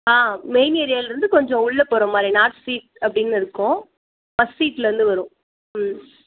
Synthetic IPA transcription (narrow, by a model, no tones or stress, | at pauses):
aːmeɪnɪjɐɾɪjaːlɾɯnd̪ɯkɔɲd͡ʒɔ̃ʊɭːɐpoːɾɐmaːd̪ɾinaːʈsiːʈ̚ɐpːɽɪnːɪɾɯkːʊ̃ | pɐsːiːʈlɐɾɯnd̪ɯʋɐɾʊ̃ | m